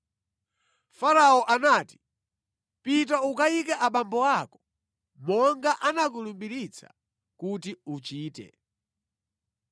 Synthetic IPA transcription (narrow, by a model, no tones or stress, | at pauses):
faɾaɔʔanaːti̥ | pit̬aukaikɛʔaɓambɔakɔ̥ | mɔŋɡaʔanak̬ulumbiɾit͡sʰḁ̰ | kutiut͡ʃiːtɛ̰